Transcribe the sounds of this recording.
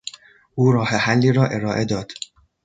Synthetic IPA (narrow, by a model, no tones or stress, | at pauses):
ʔuːɾɒːhehælːiːɾɒːʔe̞ɾɒːʔe̞d̪ɒːd̪̥